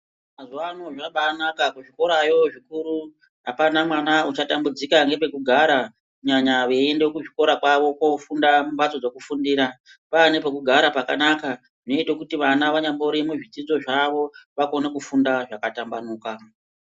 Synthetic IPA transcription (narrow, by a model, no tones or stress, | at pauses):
mazuano̞ʐaɓaːnakakuʐiko̞ɾajo̞ʐikuɾu | ɦapanamwanaut͡ʃatambud͡zikaŋɡe̞pe̞kuɡʱaɾa | kɲaɲaʋe̞endekuʐiko̞ɾakwaʋo̞ko̞fundaumbat͡so̞d͡zo̞kufundiːɾa | pane̞p̬ek̬uɡʱaɾapaka̰naka | ʐino̞itokutiʋanaʋaɲamboɾimuʐid͡zid͡zo̞ʐaʋo̞ʋako̞ne̞kufundaʐakatambanuːka